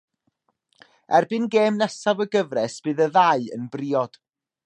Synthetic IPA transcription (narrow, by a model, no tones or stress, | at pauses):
ɛrbɨnɡeːmnɛsavəɡəvrɛsb̥ɨːðəðaɨə̰nbriːɔd̥